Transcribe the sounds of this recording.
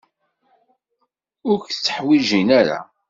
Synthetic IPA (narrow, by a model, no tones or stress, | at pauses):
ʊɾçt͡sːə̥ħwiʒinæɾa̰